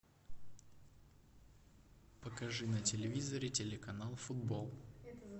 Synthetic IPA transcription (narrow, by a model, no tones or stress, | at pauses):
pəkɐʐɨnətʲɪlʲɪvʲizəɾʲɪtʲɪlʲɪkɐnalˠfʊd̪bolˠ